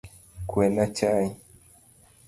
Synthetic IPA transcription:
kwɛnat͡ʃai

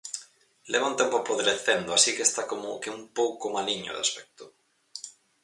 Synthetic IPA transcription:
leβaunt̪empoapoðeɾeθend̪oasikest̪akomo̰keumpowkomaliɲo̰ðea̰spɛk̚t̪ʊ̥

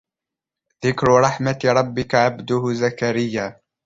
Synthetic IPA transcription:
ðɪkɾʊɾˤɑħmaɾˤɑbːɪkaʕabd̪ʊhʊzakaɾɪjːaː

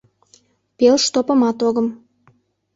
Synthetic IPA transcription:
pelʃt̪opə̆mɑt̪oɣəm

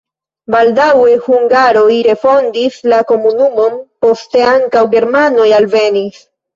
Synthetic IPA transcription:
baldawe̞huŋɡaɾo̞jɾe̞fo̞ndislako̞munumo̞npo̞ste̞aŋkawɡe̞ɾmano̞jalve̞nis

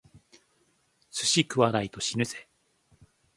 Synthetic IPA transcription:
sɨ̥ɕikɯ̟βaɾait̪o̞ɕinɯ̟se̞

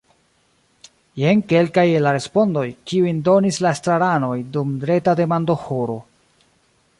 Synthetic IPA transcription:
jeŋke̞lkajelaɾe̞spo̞ndo̞jkiujndo̞nislaestɾaɾano̞jdumdɾe̞tade̞mando̞hoɾo̞

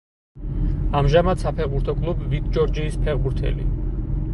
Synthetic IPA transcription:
amʒamad̪̥sapʰɛʁbuɾt̪ʰɔkʼlˠubvit̪̚ʰd͡ʒɔɾd͡ʒiːspʰɛʁbuɾt̪ʰɛ̰lḭ

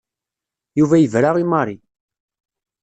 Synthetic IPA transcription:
juvæjəvɾaʁimɑɾˤi

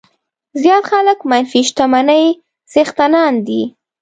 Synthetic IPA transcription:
zjɑt̪xaləkmanfiʃt̪amanəj | z̥ext̪anɑnd̪i

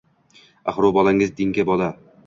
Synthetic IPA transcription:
aχɾʊbɒlˠaŋɪzd̪ɪŋkʲabɒla

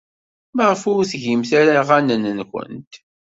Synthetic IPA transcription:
məʁəfʊɾθʝimθaɾaʁanənənçə̰nt̪

